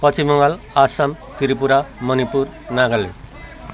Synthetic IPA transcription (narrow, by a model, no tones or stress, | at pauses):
pʌt͡sʰimʌŋal | asam | t̪iɾipuɾamʌnipur | naɡʌlḛ